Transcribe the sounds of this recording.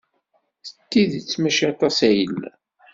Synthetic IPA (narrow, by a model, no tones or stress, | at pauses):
θət̪ːiðt͡sːmæʃɑt̪ˤɑsæjəl